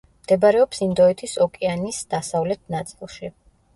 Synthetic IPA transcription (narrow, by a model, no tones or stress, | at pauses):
md̪̥ɛbaɾɛɔpsind̪ɔɛt̪ʰisɔkʼɛanisd̪̥asavlɛt̪̚ʰnat̪sʼilˠʃi